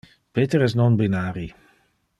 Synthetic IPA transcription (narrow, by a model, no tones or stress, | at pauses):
peːt̪eɾɛs̬nɔnbinaːɾi